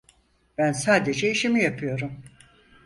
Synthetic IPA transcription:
b̥ænsaːd̪e̞d͡ʒɛiʃimijapʰɯjo̞ɾum

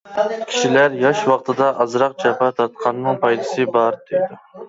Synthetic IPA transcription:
kʲʰi̥ʃilæɾjɑʃwɑqt̪ʰɨd̪ɑʔɑzɾɑq̚t͡ʃʰɑpʰɑt̪ʰɑt̪̚qʰɑnːɨŋpʰɑjd̪ɨsɨbɑɾd̪ejd̪u

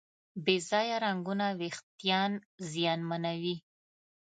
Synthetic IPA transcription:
bezɑjaɾaŋɡunawext̪jɑnzjɑnmanawi

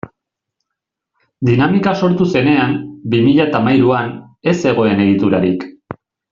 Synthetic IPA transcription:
d̪inamikaso̞ɾt̪use̞ne̞ambimiʎat̪amajɾuan | e̞se̞ɣ̞o̞e̞ne̞ɣ̞it̪uɾaɾik

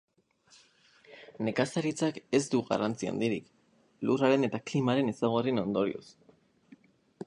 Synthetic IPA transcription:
ne̞kasaɾit͡sake̞zd̪uɣa̰rant͡sia̰nd̪iɾik | luraɾe̞ne̞t̪aklimaɾe̞ne̞saɣ̞oreno̞nd̪o̞ɾḭo̰s

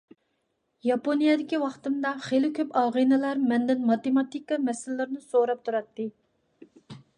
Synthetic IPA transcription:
jɑponijɛd̪ɪkʲiwɑχt̪ɨmd̪ɑχelɪkʲʰøpɑʁinɨlɑɾmɛnd̪ɪnmɑt̪emɑt̪ikːɑmɛsɪlɪːɪɾnɨsoɾɑp̚t̪ʰuɾɑt̪ːɨ

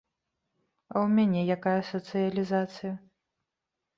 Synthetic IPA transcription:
ɐ̰wmʲanʲɛjakajɐsɐt̪sɨjɐlʲizat̪sɨjɐ

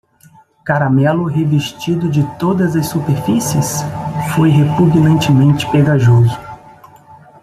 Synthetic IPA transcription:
kaɾamɛlʊɦevest͡ʃid̪ʊd͡ʒɪt̪od̪ɐzɐsːupeɾfisiɐsfojɦepuɡnɐ̃nt͡ʃɪmẽnt͡ʃɪ̥peɡaʒozʊ

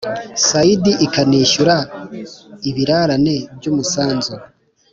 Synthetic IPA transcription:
saidiʔikaniːʃuɾa | iβiɾaɾane̞bɟuːmusaːnzu

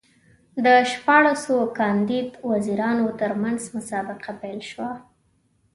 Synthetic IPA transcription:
d̪əʃpɑɽasokɑnd̪id̪waziɾɑnot̪əɾmanzmʊsɑbɪqapajlʃwa

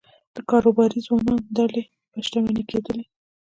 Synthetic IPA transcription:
d̪̥əkɑɾobɑɾizwɑnɑnd̪ale | pəʃʈ̪amaniked̪əle

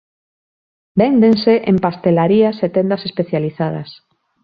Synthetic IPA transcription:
bend̪enseʔempast̪elaɾiaset̪end̪asespeθjaliθað̞a̰s

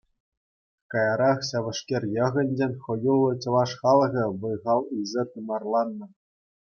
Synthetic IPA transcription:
kɑjɑɾɑχɕɑʋɤ̆ʂkʲerʲjɤ̆ʁɘ̆nʲd͡ʑenʲχɤ̆julˠːɤ̆t͡ɕɤ̆lˠɑʂχɑlˠʁʲɤ̆ʋɤ̆jʁɑlˠɯzʲet̪umɑrlˠɑnːɤ̆

